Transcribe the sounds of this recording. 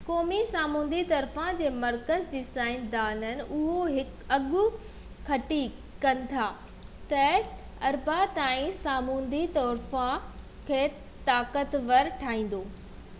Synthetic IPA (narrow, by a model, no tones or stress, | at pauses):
kɔːmisaːmũːn̆d̪it̪ɐɾfãd͡ʑeːmɐɾkəzd͡ʑiːsaːɪnd̪aːnənɪ̆ʔʊɦoɦɪk | ɐɠʊ̆ | kʰɐʈikɐnɪ̆t̪ʰaː | t̪ɐ | ɐɾbat̪aːĩsaːmũːn̆d̪it̪ɔːɾfã | kʰeː | t̪aːkət̪ʋɐɾʈʰaːĩːn̆d̪oː